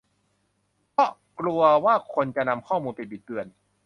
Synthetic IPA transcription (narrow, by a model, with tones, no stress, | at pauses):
pʰɔ˦˥ | klu˧ɐwaː˥˩kʰo˧nt͡ɕa˨ʔna˧mkʰɔː˥˩muː˧npi˧bi˨˩t̪̚ːɯ˧˩ən